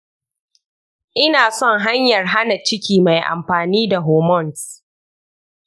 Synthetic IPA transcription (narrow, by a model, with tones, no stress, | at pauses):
ʔɪ˦naː˨sɔ˦ŋɦa˦ɲjɐ˨rɦa˦na˨t͡ʃɪ˦kʲiː˨ma˨jʔa̰˨mɸaː˨niː˦da˨ɦoː˨mɔ˦˨ns